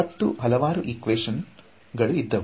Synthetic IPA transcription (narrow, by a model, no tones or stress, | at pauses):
ɐt̪ːuɦɐlɐʋaːɾuʔikʋeːʂɐn | ɡɐɭuid̪ːɐʋu